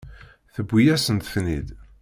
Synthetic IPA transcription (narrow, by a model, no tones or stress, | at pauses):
θəbʷːijæsənt̪θnḭd̪